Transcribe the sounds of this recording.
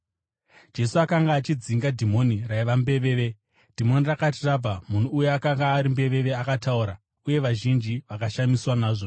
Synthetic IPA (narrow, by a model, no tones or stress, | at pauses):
d͡ʒe̞suakaŋɡaːt͡ʃid͡ziŋɡadʱimo̞niraiʋambe̞ʋe̞ːʋe̞ | d̥ʱimo̞nirakat̬irab͡vamun̤uːjeakaŋɡaːɾimbe̞ʋe̞ʋe̞akatauɾa | uje̞ʋaʒind͡ʒiʋakaʃamiswanaːʐo̞